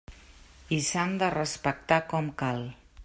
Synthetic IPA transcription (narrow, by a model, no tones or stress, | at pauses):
isand̪ərəspək̚t̪akɔmkalˠ